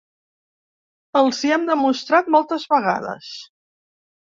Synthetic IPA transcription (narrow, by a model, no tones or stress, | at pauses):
əlˠziɛmd̪əmust̪ɾat̪̚mɔlˠt̪əzβəɣa̰ðə̰s